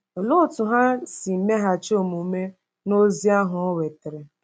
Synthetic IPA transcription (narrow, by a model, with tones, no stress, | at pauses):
o˨lʊ˦˨tʊ˨ɦa˦si˨m̩˨me˦ɦa˦t͡ʃo˦˨mu˨me˦ | no˦zi˦a˦ɦʊ˨ɔ˦we˨te˨ɾe˨